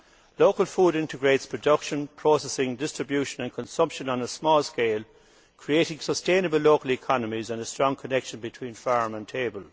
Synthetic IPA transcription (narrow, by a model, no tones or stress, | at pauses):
loʊkəlfuːɾɪ̃ntɪɡɹeɪtspʰɹ̥ədʌkʃə̃npʰɹ̥oːsɛsɪ̃ŋdɪstɹ̥ɪbjuʃə̃nə̃nkʰə̃nsʌ̃mpʃə̃nə̃nəsmɔːlˠskeɪlˠ | kʰɹ̥ieɪɾɪ̃ŋsəstẽnəbəlːoʊkəlɪkʰɑnəmizə̃nəstɹ̥ɔ̃ŋkʰənɛkʃə̃nbɪtʰw̥ĩːnfaɹmə̃ntʰeɪbəlˠ